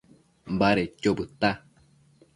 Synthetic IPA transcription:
mbaɾet͡ʃobɨt̪a

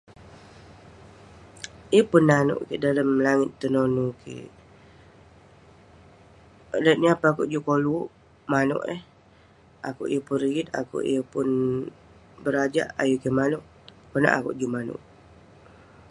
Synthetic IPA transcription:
jəpunːanʊ̰ʔkeʔdaləmlaŋɪt̪ːənonukḛ | lət̪̚niapaakuʔd͡ʒuʔkoluʔ | manʊ̰ʔəh | ʔa̰kuʔijəpunriɡit̪̚a̰kṵʔḭjəpʊn | bəɾad͡ʒa̰ʔa̰jukemanʊʔ | kəna̰ʔakṵʔd͡ʒumanʊ̰ʔ

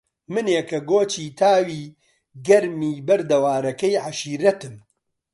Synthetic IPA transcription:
mɨnjekɐɡoːt͡ʃiːt̪ʰaːwiː | ɡɐɾmiːbɐɾd̪ɐwaːɾɐkɐjʕaʃiːɾɐt̪ɨm

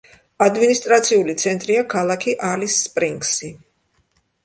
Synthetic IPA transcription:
ad̪minist̪ʼɾat̪sʰiulit̪sʰɛnt̪ʼɾiakʰalˠakʰiʔalisːpʼɾiŋksi

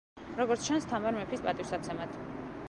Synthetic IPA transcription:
ɾɔɡɔɾt̪ʰt͡ʃʰanst̪ʰamaɾmɛpʰispʼat̪ʼiwfsat̪sʰɛmat̪ʰ

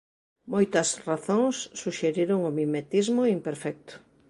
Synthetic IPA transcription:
mojt̪ɐsraθõŋsːuʃeɾiɾʊŋomimet̪izmʊimpeɾfɛk̚t̪ʊ̥

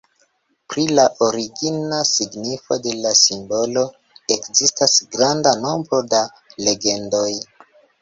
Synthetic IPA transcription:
pɾilaʔo̞ɾiɡinasiɡnifo̞de̞lasimbo̞lo̞ | e̞kzistasɡɾandano̞mbɾo̞da | le̞ɡe̞ndo̞j

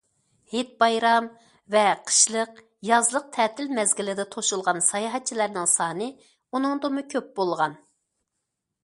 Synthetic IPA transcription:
het̪̚bɑjɾɑm | vɛqʰə̥ʃlˠəq | jɑzlˠəq̚t̪ʰɛːt̪ʰɪlmɛzɡʲɪlɪd̪ɛt̪ʰoʃulˠʁɑnsɑjɑɦɛt̪̚t͡ʃʰilæɾnɪŋsɑːnɨ | unɨŋd̪omukʲʰøp̚bolˠʁɑn

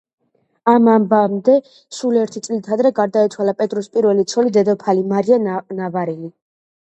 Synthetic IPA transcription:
amambamd̪ɛ | suliɛɾt̪ʰit̪sʼlit̪ʰad̪ɾɛɡaɾd̪ait̪sʰwalapʼɛt̪ʼɾɔspʼiɾvɛlit̪sʰɔlid̪ɛd̪ɔpʰalimaɾianavaɾili

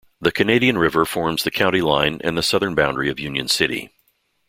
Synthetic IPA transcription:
ðɨkʰɨneɪɾiɨ̃nɹɪvə˞fɔɹmz̥ðɨkʰãʊ̃ɾ̃tilãɪ̃nʔɨ̰̃nðɨsʌðə̃˞nbãʊ̃ndɹiʌvjʉ̃njɨ̰̃nsɪɾḭ

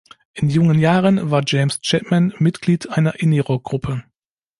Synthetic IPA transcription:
ʔɪnjʊŋənjaːʁənvaːɐd͡ʒɛɪmst͡ʃɛtmanmɪtɡ̥liːtʔaɪnɐʔɪniʁɔk̚ɡ̥ʁʊpʰə

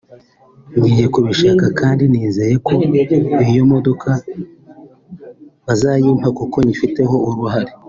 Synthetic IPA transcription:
ŋɡiːje̞kuβiʃakakʰaːndiniːze̞je̞ko̞ijo̞mo̞do̞kʰa | βazajiːmakuko̞ɲifite̞ɦo̞uɾuɦaɾe

